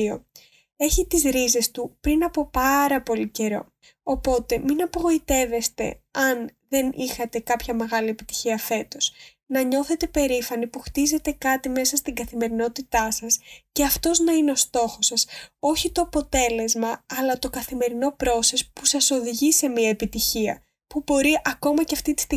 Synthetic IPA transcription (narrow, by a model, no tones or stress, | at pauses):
o̞̰ | e̞çit̪izɾize̞st̪upɾinɐpopɐɾɐpo̞lice̞ɾo̞̰ | opo̞t̪e̞minɐpo̞ɣo̞it̪e̞ve̞st̪e̞̰ɐnðe̞nʔixɐt̪e̞kɐpçɐme̞ɣɐliepi̥t̪i̥çiɐfe̞t̪o̞s | nɐɲo̞θe̞t̪e̞pe̞ɾifɐnipuxt̪ize̞t̪e̞kɐt̪ime̞sɐst̪iŋɡɐθime̞ɾino̞t̪it̪ɐsɐsceɐft̪o̞znɐineo̞st̪o̞xo̞sɐso̞çit̪o̞ɐpo̞t̪e̞le̞zmɐɐlɐt̪o̞kɐθime̞ɾino̞pɾo̞se̞spusɐso̞ðiʝise̞miɐepit̪içiɐ̰ | pubo̞ɾiʔɐko̞mɐceɐft̪it̪ist̪i